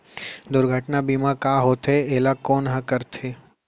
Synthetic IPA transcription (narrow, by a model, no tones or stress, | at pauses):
d̪ʊɾɡʱəʈnabimãkaɦot̪ʰeeːlakoːnɦãkəɾt̪ʰeː